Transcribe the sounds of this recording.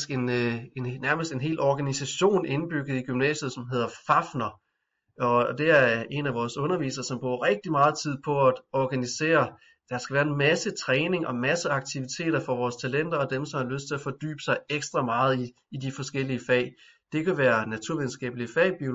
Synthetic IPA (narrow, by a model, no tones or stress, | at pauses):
sɡ̥e̝nenæɐməsd̥e̝nɦe̝̰ːlɒɡ̥ænisæɕo̝̰ːne̝nb̥yɡ̥ð̞̩ˠiɡ̥ymnɛ̰ːsjð̞̩ˠsɒ̽mɦe̝ð̞̰ˠɐfɑ̈fnɐ | ɒ̽d̥e̝æɐe̝næʋɒːsɔ̽nɐʋḭːsɐsɒ̽mb̥ʁṵɐʁeɡ̥̚d̥imɑ̈ːð̞̩ˠt͡sʰið̰ˠpʰɒ̽æd̥ɒɡ̥ænise̝̰ːɐ | d̥ɑsɡ̥æʋæːɐenmæsət͡sʰʁɛːne̝ŋɒ̽mæsəɑ̈ɡ̥̚t͡sʰiʋit͡sʰe̝̰ːɾ̥ɐfɒ̽ʋɒːst͡sʰælen̰d̥ɐɒ̽d̥emsɒ̽mhɑ̈løsd̥t͡sʰe̝læfɒ̽d̥y̰ːb̥ə̥sɑ̈ɪeɡ̥sd̥ʁɑ̈mɑ̈ːð̞̩ˠiː | d̥ifɒ̽sɡ̥el̰iəfɛ̰ɪ | d̥e̝kʰæʋæːɐnæt͡sʰuɐʋiðˠn̩sɡ̥ɛ̰ːb̥əliəfɛ̰ɪb̥io̝